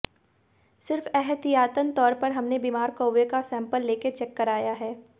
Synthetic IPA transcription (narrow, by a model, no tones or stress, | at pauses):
sɪɾfɛɦət̪ijaːt̪ənt̪ɔːɾpɐɾɦɐmnebiːmaːɾkoːʋekasɛ̃ːmpəlːeːket͡ʃɛkːɐɾaːjaɦɛː